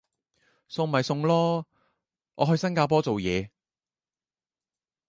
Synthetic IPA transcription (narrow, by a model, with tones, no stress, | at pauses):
sʊ˧ŋm̩˨˩hɐ˨jsʊ˧ŋlɔː˥ | ʔɔː˨˧ɦɵ˧ɥsɐ˥nkaː˧p̬ɔː˥t͡so˨wjɛː˨˧